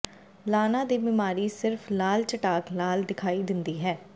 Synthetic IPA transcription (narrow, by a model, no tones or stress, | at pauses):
laːnãːd̪iːbɪmaːɾiːsɪɾfʰlaːlt͡ʃəʈaːklaːld̪ɪkʰaːiːd̪ɪnd̪iːɦɛː